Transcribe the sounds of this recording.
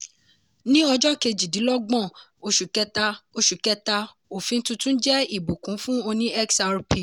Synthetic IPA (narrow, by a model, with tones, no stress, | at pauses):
nĩ˦ɔ˧d͡ʒɔ˦ke˧d͡ʒi˨di˨˦lɔ˦ɡ͡bɔ̃˦˨ | o˧ʃu˨kɛ˦ta˧o˧ʃu˨kɛ˦ta˧ | o˨fĩ˧n̩˦tũ˧˦tũ˦n̩˦d͡ʒɛ˦i˦˨bu˨kũ˨˦fũ˦o˧nĩ˦ɛ˦ksa˧ɾu˨˦pi˨